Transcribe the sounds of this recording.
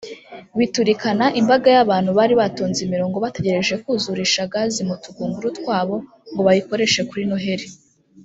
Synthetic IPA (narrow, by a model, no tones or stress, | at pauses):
βituɾikanaʔimbaɡajaβaːn̥huβaːɾiβatoːnzimiɾo̞ːŋɡo̞βate̞ɟe̞ɾe̞ʒe̞kuzuɾiʃaɡazimutuɡuːŋɡuɾutkwaːβo̞ | ŋɡo̞βajiko̞ɾe̞ʃe̞kuɾinuɦe̞ɾe